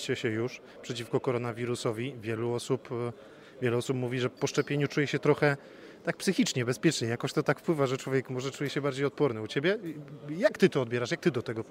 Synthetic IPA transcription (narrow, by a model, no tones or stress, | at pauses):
t͡ɕɛɕɛjuʂ | pʂɛt͡ɕifkɔkɔɾɔnavʲiɾusɔvʲivʲjɛluɔsup | vʲjɛlɛɔsupmuvʲiʐɛpɔʂt͡ʂɛpʲjeɲut͡ʂujɛɕɛt̪ɾɔxɛ | t̪ak̚psɘxʲit͡ʂɲɛbɛspʲjɛt͡ʂɲɛjakɔɕt̪ɔt̪akfpwɘvaʐɛt͡ʂwɔvʲjɛkmɔʐɛt͡ʂujɛɕɛbaɾd͡ʑejɔt̪̚pɔɾnɘut͡ɕɛbʲjɛjakt̪ɘt̪ɔːd̪̚bʲɛɾaʂjak̚t̪ɘd̪ɔt̪ɛɡɔ